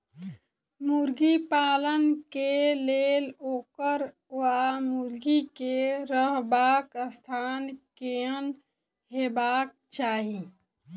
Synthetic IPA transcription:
muɾɡipaːlənkeleloːkəɾ | amuɾɡikeɾəɦbaːkəst̪ʰaːnkeən | ɦebaːk̚t͡ʃaːɦi

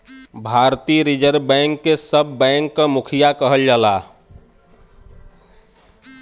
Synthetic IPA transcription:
bʱaɾt̪iɾid͡ʒəɾbɛ̃ŋkːesəbʱːɛ̃ŋkːəmukʰijakəɦəld͡ʒala

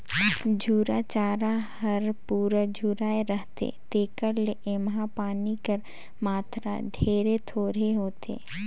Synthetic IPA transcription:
d͡ʒʱuːɾat͡ʃaːɾahɐɾpuːɾad͡ʒʱuːɾaːeɾəɦt̪ḛt̪eːkəɾleʔemɦãpaːnikəɾ | maːt̪ɾa̰ɖʱeːɾet̪ʰoːɾeɦoːt̪ḛː

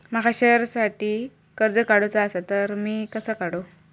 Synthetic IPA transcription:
məɦaɕəɾsaʈiː | kəɾd͡zəkaɽot͡səəsat̪əɾmiːkəsəːkaɽo

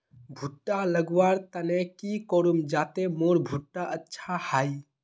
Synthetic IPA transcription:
bʱuʈːaləɡwaɾt̪ənekikoɾumd͡ʒat̪emoɾbʱuʈːaʔətːʃʰahai

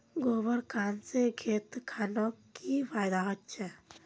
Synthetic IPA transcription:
ɡobəɾkanseɡʱet̪kʰanɔkipʰajd̪aɦɔtt͡ʃʰɛ

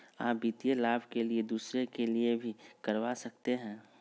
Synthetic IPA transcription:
a̰ːpbiːt̪ijelaːbʱkelied̪uːsɾekeliebʱikɐɾwasɐk̚t̪eɦɛ̃ː

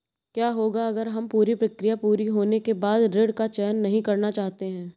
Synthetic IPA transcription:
kjaːɦoːɡaɐɡəɾɦɐmpuːɾipɾɐkɾijapuːɾiɦoːnekebaːd̪ɾeɽkat͡ʃɛːənːɐɦĩkɐɾnat͡ʃaːɦt̪eɦɛ̃ː

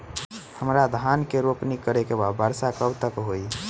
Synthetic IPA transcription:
həmɾad̪ʱankeɾopnikəɾekebad̪bəɾsakəbt̪əkɦoi

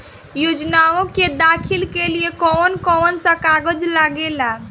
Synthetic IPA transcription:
jod͡ʒnaõked̪akʰilkeliekɔːnkɔːnsə̃kaɡəd͡ʒlaɡela

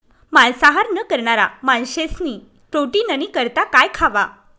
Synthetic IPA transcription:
malsaɦaɾnəkəɾɳaɾa̰manɕesniː | ʈ̪oʈiːnənikəɾt̪akajkʰaʋa

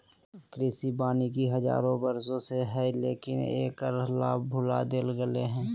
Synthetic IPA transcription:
kɾɪsibaːnikiɦəza̰ːɾõbəɾsõseɦɛlḛːkɪnḛːkəɾlaːbʱʊla̰d̪eːlɡəleɦɛ̃ː

